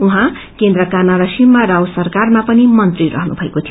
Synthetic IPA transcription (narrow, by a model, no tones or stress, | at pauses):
uɦã | kend̪rʌkanʌɾʌsimːaɾawsʌrkarmapʌnimʌnt̪riɾʌ̰ɦnṵbʱʌekot̪ʰij